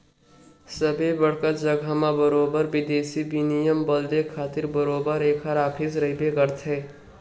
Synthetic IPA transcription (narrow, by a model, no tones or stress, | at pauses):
səbʱebəɽkət̪d͡ʒəɡʱamãbəɾoːbəɾbɪd̪eːsibinijəmbəld̪ekʰaːt̪ɪɾbəɾoːbəɾeːkʰaɾaːpʰisɾəɦibekəɾt̪ʰɦɛː